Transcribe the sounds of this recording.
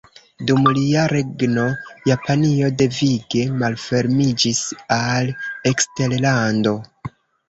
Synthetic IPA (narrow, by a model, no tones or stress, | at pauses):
dumliaɾe̞ɡno̞japanio̞de̞viɡe̞malfe̞ɾmid͡ʒisalekste̞llando̞